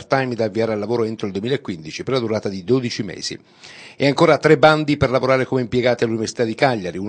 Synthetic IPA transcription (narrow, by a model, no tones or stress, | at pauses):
rt̪ajmd̪aːvːiaːɾealːavoːɾoɛnt̪ɾoild̪uemilaekːwind̪it͡ʃiperlad̪uɾaːt̪ad̪id̪oːd̪it͡ʃimḛːz̥ḭ | eaŋkoːɾat̪ɾebːand̪iperlavoɾaːɾekomeimpjeɡaːt̪ialuniveɾsi̥t̪ad̪ːikaʎːaɾiun